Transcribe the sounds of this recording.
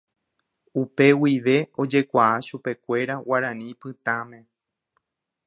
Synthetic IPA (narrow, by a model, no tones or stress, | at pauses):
upe̞wiʋe̞o̞d͡ʒe̞kʷaʔaʃupe̞kʷe̞ɾawaɾãnĩpɨt̪ãmẽ̞